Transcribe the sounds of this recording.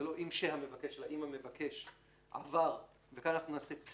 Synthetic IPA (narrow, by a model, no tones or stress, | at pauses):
elo̞ʔimʃehame̞vakeʃelaʔimhamevakʰe̞ʃ | ʔa̰vaʁ | vekananaχnunaːseps